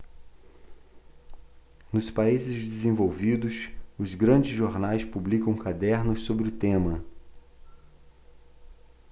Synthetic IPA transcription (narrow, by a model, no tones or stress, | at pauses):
nʊspaizɪzd͡ʒɪzẽvowvid̪ʊsʊzɡɾɐ̃d͡ʒɪzʒoɾnajspublikɐ̃w̃kad̪ɛɾnʊssobɾɪʊt̪ẽmɐ